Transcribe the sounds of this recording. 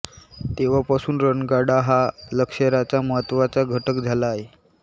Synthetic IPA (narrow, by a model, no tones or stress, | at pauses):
t̪eʋ̤apasuːnɾənɡaɽaɦaləkʂəɾat͡ɕaməɦət̪ːʋat͡saɡʱəʈəkd͡zʱalaːɦe